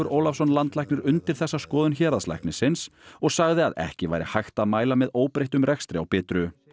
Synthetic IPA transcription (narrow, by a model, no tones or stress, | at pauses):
ʏɾʔoːwlafsɔnlant̪lajknɪɾʏnt̪ɪɾ̥θɛsːaskɔːðʏnçɛːɾðasla̰jknɪsɪnsɔɣsaɣðɪaðɛ̰hcɪva̰ːjɾɪ̰hajxt̪aðmaːjlamɛðoːwpɾejht̪ʏmɾɛkst̪ɾɪa̰wpɪːt̪ɾʏ